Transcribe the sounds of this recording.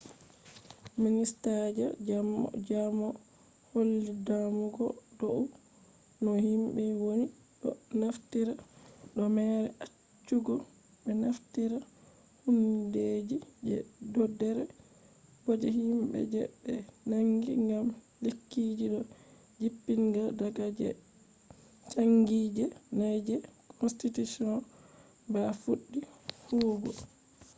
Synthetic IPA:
ministad͡ʒɛ̰ | d͡ʒamɔ | holːidamuɡɔdoʔu | nɔhimbɛwoni | ɗɔ̰naftiɾaɗɔmɛɾɛʔa | t͡ʃːuɡɔ | bɛnaftiɾa | hunded͡ʒid͡ʒɛ̰dɔdːɛɾɛ | bɔd͡ʒɛhimbɛ̰d͡ʒɛɓɛnaŋɡiŋɡam | lekːiːd͡ʒiɗɔ | d͡ʒipːiŋɡadaɡad͡ʒɛ̰ | t͡ʃaŋɡid͡ʒɛnajd͡ʒɛkʰɔnstitusiɔn | bafuɗːihuːbɔ

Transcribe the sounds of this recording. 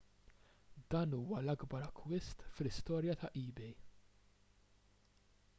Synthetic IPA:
d̪ɐːnuːwɐlɐɡbɐɾɐkʰːwɪst̪flɪst̪ɔːɾjɐt̪ɐʔiːbɛj

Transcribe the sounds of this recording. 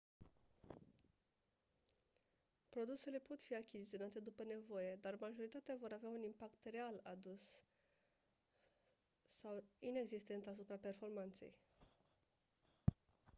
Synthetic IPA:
pɾo̞d̪use̞le̞po̞t̪fiakʲizit̪sio̞nat̪e̞d̪upəne̞vo̞je̞d̪armaʒo̞ɾit̪at̪eavo̞ɾaveaunimpakt̪re̞alad̪us | awine̞ɡzist̪e̞nt̪as̬upɾape̞rfo̞rmant̪se̞̰j

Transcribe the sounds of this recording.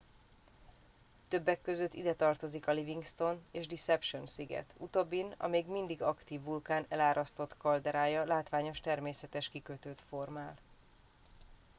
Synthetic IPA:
t̪øbːɛkːø̞zøt̪ːid̪ɛt̪ɒrt̪o̞zikɒliviŋɡst̪o̞neːʒd̪isɛpʃo̞nsiɡɛ̰t̪ut̪o̞bːinɒ̰meːɡmind̪iɡɒkt̪iːvːulkaːnɛlaːɾʔɒst̪o̞t̪kɒld̪ɛɾaːjɒlaːt̪ʋaːɲo̞ʃt̪ɛrmeːsɛt̪ɛʃkikøt̪øːt̪fo̞rmaːl

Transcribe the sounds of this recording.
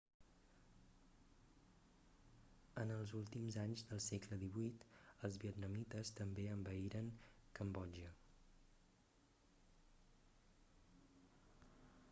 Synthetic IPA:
ənəlˠzulˠt̪imzaɲzðəlˠsekləðiβuit̪əlˠzβiət̪nəmit̪əst̪əmbeəmbəiɾəŋkəmbɔʒə

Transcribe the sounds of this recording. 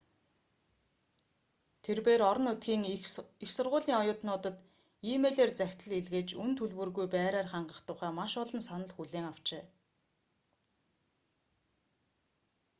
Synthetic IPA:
t̪ʰerpeːɾɔɾɞ̆nut̪ɡiːŋixsʊrʁʊːɮiːŋɔjʊːt̪nʊːt̪ə̆t̪ | iːmeːɮeːrt͡sæxʲt̪ə̆ɮiɮɣeːt͡ɕunt̪ʰɵɮwɵ̆rɣujpæːɾæːrχaɴɢə̆χt̪ʰʊːχæːmaʃɔɮɞ̆nsanə̆ɮxuɮeːŋaw̥t͡ɕeː

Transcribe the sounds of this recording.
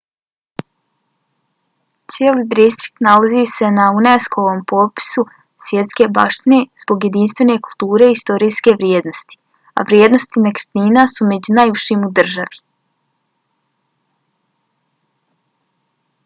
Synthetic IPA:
t̪sjeliːd̪ist̪ɾi̥k̚t̪nalazise̞nauneskoʋoːmpopi̥su | sʋje̞t̪ske̞ba̰ːʃt̪ine̞z̥bo̞ɡje̞d̪inst̪ʋe̞ne̞kulˠt̪uːɾe̞ist̪o̞ɾiːske̞ʋɾjeːd̪no̞st̪i̥ | a̰ʋɾjeːd̪no̞st̪inekɾt̪niːnasume̞d͡ʑunajuʃimud̪r̩ʒaʋi

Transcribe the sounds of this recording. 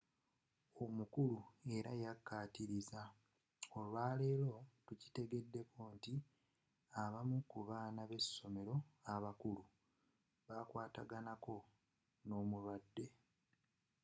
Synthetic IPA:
o̞mukulue̞ɾajakːaːtiɾiza | o̞lwaːleːlo̞tuci̥te̞ɡe̞dːe̞ko̞ːnti | aβamukuβaːnaβe̞sːo̞me̞ɾo̞aβakulu | βakwaːta̰ɡanako̞ | no̞ːmulwadːe̞

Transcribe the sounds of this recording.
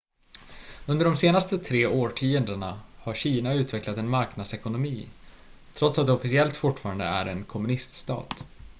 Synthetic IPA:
ɵnd̪əɖɔmseːnast̪ət̪ʰɾeːoːʈʰiːɛnd̪əɳahaɾɕiːnaʉ̟ːt̪vɛklat̪ɛnmaɾknad̪sɛkʊnʊmiː | t̪ʰɾɔt̪sat̪̚d̪ɛɔfɪsɪɛlt̪fʊʈːfɑːɾand̪ə̰æ̰ɾɛnkʰɔmɵnɪst̪st̪ɑ̰ːt̪

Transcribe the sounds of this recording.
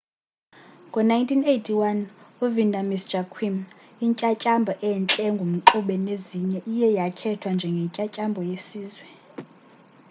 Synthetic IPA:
ŋɡʱɔnajntʰinejtʰiwanuvindʱamisd͡ʒ̥ʱakʰwim | iɲcʼacʼambʱɔʔɛnt͡ɬʼɛŋɡʱum̩ǁuɓɛneziɲɛʔijɛjakʰɛtʰwand͡ʒʱɛŋɡʱɛɲcʼacʼambʱɔjesiːzwɛ

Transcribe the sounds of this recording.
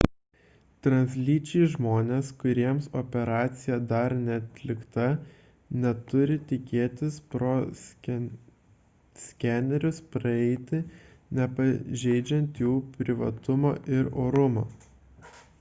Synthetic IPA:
t̪ɾɐnʲsʲlʲiːt͡ʃʲɪʒmoːnʲeːskʊɾʲiɛmsoːpʲɛɾɑːt̪sʲɪjɛd̪ɐɾnʲɛɐt̪ʲlʲɪkt̪ɐ | nʲɛt̪ʊɾʲɪt̪ʲɪkʲeːt̪ʲɪspɾoː | sʲkʲænʲɛɾʲʊspɾɐɛɪt̪ʲɪnʲɛpɐʒʲɛɪd͡ʒʲɛnt̪juːpʲɾʲɪʋɐ̰t̪ʊmo̰ːʔɪɾoːɾʊmoː

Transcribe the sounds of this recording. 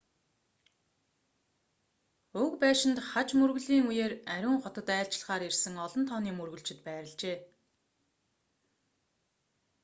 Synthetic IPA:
ɵkpæːʃɪ̆nt̪χat͡ɕmɵrɣɵ̆ɮiːŋujeːræɾʲʊːŋχɔt̪ɞ̆t̪æːɬt͡ɕɪ̆ɮʁaːɾirsɘ̆ŋɔɮɞ̆nt̪ʰɔːniːmɵrɣɵ̆ɮt͡ɕɪ̆t̪pæːɾə̆ɮt͡ɕeː

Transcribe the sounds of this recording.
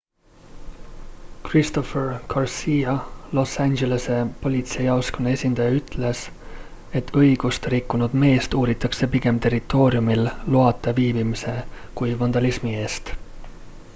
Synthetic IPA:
krist̪o̞ferkʰɑrsiːjɑlo̞sːænʲd͡ʒe̞lese̞po̞lʲit̪sejɑwskonːee̞sʲind̪ɑjɑyt̪ˑle̞s | e̞t̪ːʰɤjɡ̥ust̪ɾikːunud̪̥me̞ːst̪uːɾit̪ːˑɑkse̞piɡ̥e̞mt̪e̞rit̪ːˑo̞ːɾiumilluɑt̪ːˑeviːbimise̞kujvɑnd̪ɑlismie̞ːst̪

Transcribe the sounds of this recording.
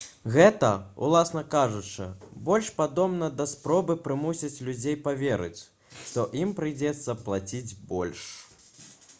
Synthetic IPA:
ɣɛt̪ɐṵlˠasn̪ɐkaʐut͡ʂɨ̰bɔlʲʂpad̪ɔmnɐd̪ɐspɾɔbɨpɾɨmusʲit͡sʲlʲud͡zʲejpavʲɛɾɨ̰t͡sʲ | ʂt̪ɔʔimpɾɨd͡zʲɛt̪sːɐplˠat͡sʲid͡zʲbɔ̰lʲʂ

